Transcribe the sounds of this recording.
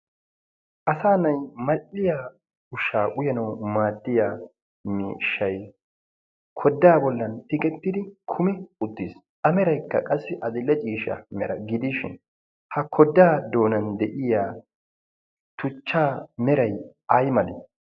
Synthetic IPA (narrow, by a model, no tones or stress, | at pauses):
ʔɐsaːnɐjmɐlːɪjaː | ʊʃaːʔʊjɐnɐwmaːd̪ːɪjaː | mḭːʃːɐj | kʰɔd̪ːaːbɔlːɐnt̪ɪkʼɛt̪ːɪd̪ɪkʰʊmɪʊd̪ːɪs | ʔɐmɛɾɐjkːɐ̰kʼɐsːɪʔɐd̪ɪlːɛt͡ʃʼiːʃɐ̰mɛɾɐɡɪd̪iʃɪ̰n | hɐkʰɔd̪ːaːd̪o̞ːnɐnd̪ɛʔɪjaː | t̪ʊt͡ʃːaːmɛɾɐj | ɐjmɐlɛ